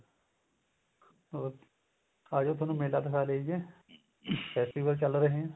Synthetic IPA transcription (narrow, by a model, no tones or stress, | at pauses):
oː | aːd͡ʒõːt̪ʰoːnũːmeːlaːd̪əkʰaːleid͡ʒɛː | pʰɛːsʈiːʋəlt͡ʃəlɾəɦẽɛ̃ː